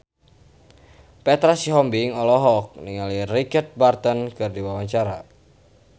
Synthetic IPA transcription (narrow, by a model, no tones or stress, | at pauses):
pɛt̪ɾasiɦɔmbiŋɔlɔɦɔk̚niŋalirit͡ʃard̪̚bart̪ɔnkɨrdiwawaɲt͡ʃaɾa